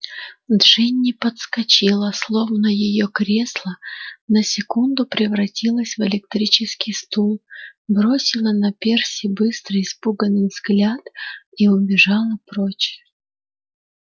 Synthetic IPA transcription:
d̪ʐ̥ɨnʲːɪpət̪skɐt͡ɕilˠəslˠo̞vnəjɪjokɾʲe̞slˠənəsʲɪkund̪ʊpɾʲɪvɾɐtʲilˠəsʲvɨlʲɪk̚t̪ɾʲit͡ɕɪskʲijst̪ulˠbɾosʲɪlˠənɐpʲersʲɪbɨst̪ɾɨɪspuɡənːɨjvzɡlʲat̪iʊbʲɪʐɑlˠəpɾot͡ɕɪ̥

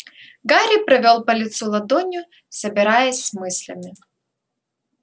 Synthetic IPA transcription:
ɡaɾʲipɾɐvʲolˠpɐlʲɪt̪sulˠɐd̪ɔnʲʊ | sɐbʲɪɾajəsʲsmɨsʲlʲɐmʲɪ

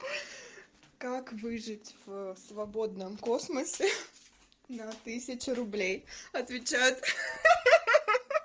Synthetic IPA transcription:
kakvɨʐɨtʲfsvɐbo̞d̪nəmkosməsʲɪ | nɐt̪ɨsʲɪt͡ɕɪɾʊblʲejɐt̪vʲɪt͡ɕæjʊt̪

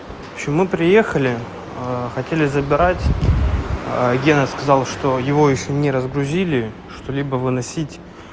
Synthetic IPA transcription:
opɕɪmːɨpɾʲɪje̞xəlʲɪ | xɐtʲelʲɪzəbʲɪɾatʲ | ɡʲenəskɐzɑlˠʂt̪ojɪvo̞jɪʃʲɪnʲɪɾəzɡɾʊzʲilʲɪ | ʂt̪olʲibəvɨnɐsʲitʲ

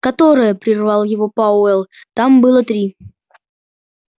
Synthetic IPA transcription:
kɐt̪o̞ɾəjəpɾʲɪrvɑlˠjɪvo̞pɐʊɛlˠ | t̪ambɨlˠət̪ɾʲi

